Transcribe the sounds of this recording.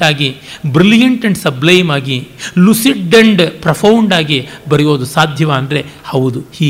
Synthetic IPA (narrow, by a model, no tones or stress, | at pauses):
aːɡibɾilijɐɳʈɐɳɖsɐblɐjmaːɡilusiʈːɐɳɖpɾɐpʰɐwɳɖaːɡibɐɾijo̞ːd̪usaːd̪ʱjɐʋaːɐnd̪ɐɾe̞hɐʋud̪uhiː